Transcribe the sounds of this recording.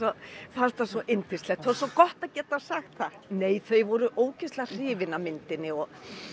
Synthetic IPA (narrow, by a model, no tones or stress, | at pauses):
ɔθast̪asɔʔɪnt̪ʰɪst̪lɛxt̪θasɔkɔht̪aðcɛːt̪asaxt̪θa | neːjθejvɔɾʏʔoːwcɪst̪lar̥ɪːvɪnamɪnt̪ɪnːɪɔɣ